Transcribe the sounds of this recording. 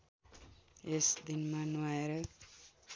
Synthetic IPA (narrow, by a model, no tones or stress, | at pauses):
esd̪inmanaeɾʌ